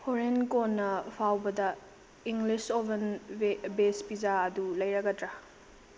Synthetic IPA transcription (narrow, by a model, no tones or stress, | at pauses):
hoɾenkonːɐpʰawbɐdɐ | iŋɡlisobenbespizaɐdulɐjɾɐɡɐdɾa